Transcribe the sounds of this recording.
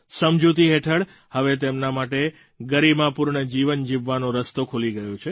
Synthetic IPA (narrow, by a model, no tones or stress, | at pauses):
səmd͡ʒut̪iɦeʈʰəɭ | həʋet̪emnamaʈe | ɡəɾibmãpuɾɳəd͡ʒiʋənd͡ʒiʋːanõɾəst̪okʰoliɡəjõt͡ʃʰe